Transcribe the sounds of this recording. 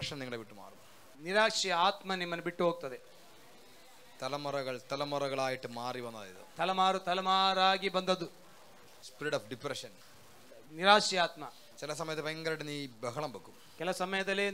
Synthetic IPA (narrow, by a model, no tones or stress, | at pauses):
ʂɐniŋːɐɭeʋiʈːuma̰ːrum | niɾaːkʂijɐaːt̪mɐnimːɐnːubiʈːuɦoːɡ̚t̪ːɐðe | t̪ɐlɐmuɾɐɣɐɭt̪ɐlɐmuɾɐɣɐɭaːjiʈːɨmaːriʋɐnːɐðiðɨ̰t̪ʰɐlɐmaːɾut̪ɐlɐmaːɾaːɡibɐnd̪ɐd̪u | spiɾiɽɐːfɖipɾɐʂɐn | niɾaːʂijaːt̪mɐ | kɛlɐsɐmɐjɐt̪ːepɐjɐŋɡɐɾɐʈːɨniːbɐɦɐɭɐmbɐkːum | kɛlɐsɐmɐjɐd̪ɐlːe